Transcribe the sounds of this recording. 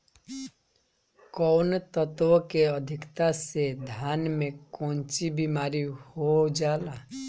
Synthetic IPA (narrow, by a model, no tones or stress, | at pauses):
kɔwnt̪ɔt̪ʋɔkeəd̪ʱikt̪ased̪ʱanmẽkɔ̃nt͡ʃibimaːɾihod͡ʒaːla